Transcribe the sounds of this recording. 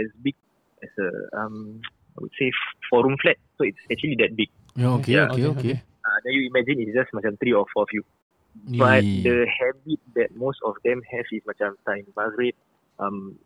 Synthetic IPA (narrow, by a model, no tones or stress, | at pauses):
ɛsbik̚ | ɛsə̰ã̰m | a̰jwṵd̥sefɔɾũmflɛt̚soitsɛk̚t͡ʃuəlidɛt̚bik̚ | aokejakeoke | adɛjuimɛd͡ʒĩnitsd͡ʒasmat͡ʃãmt̪ɾiɔfɔfju | bat̚dəhɛbit̚dɛt̚mostɔfdɛ̃mhɛvismat͡ʃãmt̪ãj̃mmaɡɹet̚ | ʔãm